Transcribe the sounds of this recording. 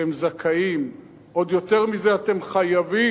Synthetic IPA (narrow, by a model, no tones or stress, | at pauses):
emzakʰaim | ʔo̞d̪jo̞t̪e̞ʁmize̞at̪e̞mχajavi